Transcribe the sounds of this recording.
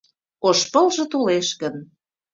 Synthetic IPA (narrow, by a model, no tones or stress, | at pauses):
oʃpə̆lʒə̆t̪oleʃɣən